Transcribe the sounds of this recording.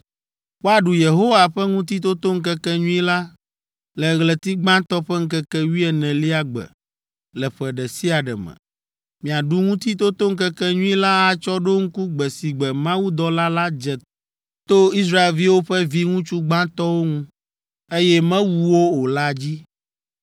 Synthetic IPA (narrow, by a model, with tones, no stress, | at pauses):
wo˦a˨ɖu˨je˨ɦo˦wa˨ɸɛ˦ŋũ˦t̪i˦t̪o˦t̪o˦ŋ̩˦kɛ˦kɛ˦ɲũ˦i˦la˦ | lɛ˨ɣlɛ˨t̪i˦ɡ͡bã˦t̪ɔ˦ɸɛ˦ŋ̩˦kɛ˦kɛ˦wi˦ɛ˨nɛ̃˨li˦a˨ɡ͡bɛ̰˨ | lɛ˨ɸɛ˨ɖɛ˨si˦a˨ɖɛ̰˨mɛ̰̃˨ | mĩ˨a˨ɖu˦ŋũ˦t̪i˦t̪̬o˦t̪o˦ŋ̩˦kɛ˦kɛ˦ɲũ˦i˦la˦a˦t͡ʃɔ˦ɖo˦ŋ̩˦ku˦ɡ͡bɛ˨si˨ɡ͡bɛ˨mã˦wu˦d̪ɔ˦la˦la˦d͡ʒɛ˨ | t̪o˦i˦s̬ɾa˦e˨lvi˦wo˦ɸɛ˦vi˦ŋũ˦t͡ʃu˦ɡ͡bã˦t̪ɔ˦wo˦ŋũ˦ | e˦jɛ˦mɛ̃˦wu˨wo˦o˨la˦d͡ʑi˦